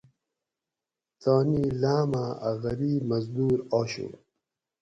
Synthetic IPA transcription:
t̪aːnilaːmaɐ̰ɣɐɾiːmɐzd̪uːɾoːɕo̰

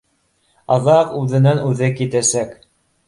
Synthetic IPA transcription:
ɑðɑqʉðɘ̆nænʉðɘkit̪æsæk

